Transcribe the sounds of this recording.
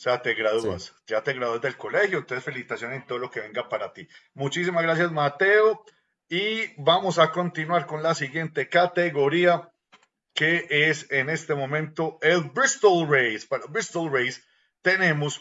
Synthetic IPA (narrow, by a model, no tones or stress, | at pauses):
oseat̪e̞ɣɾaðua̰sd͡ʒat̪eɣɾaðuazd̪e̞lko̞le̞hjot̪eesfe̞lisit̪asjo̞nent̪oðolo̞ke̞βe̞ŋɡampaɾat̪imut͡ʃis̬imazɡɾas̬jazmat̪e̞o̞ | ibamo̞sako̞nt̪inwaɾko̞nlasiɣje̞nt̪e̞kat̪e̞ɣo̞ɾia | ke̞ʔesene̞st̪e̞mõ̞mẽ̞nt̪o̞elbɾist̪olrejspaɾobɾist̪olrejs | t̪e̞nẽ̞mos